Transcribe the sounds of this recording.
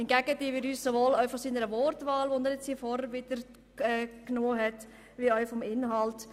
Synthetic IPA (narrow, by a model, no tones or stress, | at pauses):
ɪnɡ̥æɡətiʋɪɾyːssoʋolœʏfɔsiːnəɾəʋɔɾtʋaːlʋonɛːɾjɛt͡shiːfɔɾəɾʋɪd̥əɾ | ɛːknoːɦɛt | ʋiœʏfɔmɪnɦɑlt